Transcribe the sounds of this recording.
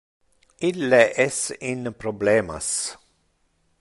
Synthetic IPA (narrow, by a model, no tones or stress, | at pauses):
ilːeʔɛsinpɾobleːma̰s